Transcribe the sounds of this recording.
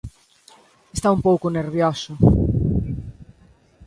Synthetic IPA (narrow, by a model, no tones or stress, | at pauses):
est̪aumpowkʊneɾβjɔsʊ